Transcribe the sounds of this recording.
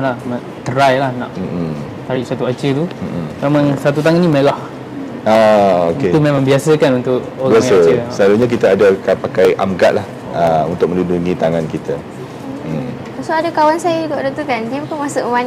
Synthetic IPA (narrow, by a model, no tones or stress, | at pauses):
lamaʔt̪əɾajlahnaʔm̩ | t̪aɾɪʔsat̪uat͡ʃət̪um̩memãŋsat̪̬ut̪̬aŋanːimelah | aoket̪umemãŋbiasəkanunt̪ʊʔ̚ | oaaŋaot͡ʃəsəlaɾuɲak̬it̪aːdakapakajʔa̰mka̰t̪̚lah | aṵnt̪ʊk̚mə̃ndunduŋit̪aŋankit̪a | asoadakawansajədik̪ɔʔdut̪ukandiəbukanmasʊʔman